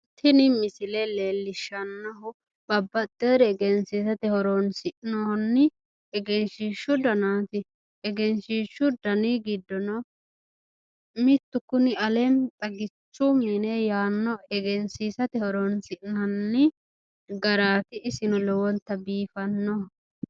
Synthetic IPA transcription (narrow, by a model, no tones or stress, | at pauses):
t̪ʰɪnɪmɪsɪlɛleːlːɪʃːɐnːɔɦʊ | b̥ɐbːɐt̪ːeːɾɛɛɡɛnsiːsɐt̪ɛhɔɾɔnsɪʔnɔnːɪ | ɛɡɛnʃiːʃːʊd̪ɐnaːt̪ɪ | ɛɡɛnʃiːʃːʊd̪ɐniɡɪd̪ːɔnɔ | mɪt̪ːʊkʊnɪɐlɛnt̪ʼɐɡɪt͡ʃːʊmɪnɛjaːnːɔɛɡɛnsiːsɐt̪ɛhɔɾɔnsɪʔnɐnːɪ | ɡɐɾaːt̪ɪʔɪsɪnɔlɔwɔnt̪ːɐbiːfɐnːɔhʊ